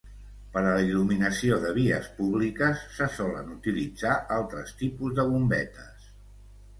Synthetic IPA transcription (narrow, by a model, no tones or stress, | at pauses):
pəɾələiluminəsioðəβ̞iə̰spuβlikəsːəsɔlə̰nut̪ilid͡zaʔalˠt̪ɾəst̪ipuzðəβ̞umbɛt̪əs